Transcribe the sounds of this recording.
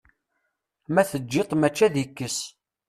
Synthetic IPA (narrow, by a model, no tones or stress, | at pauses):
mæθəd͡ʒːet̪ˤmæt͡ʃːæðikːəs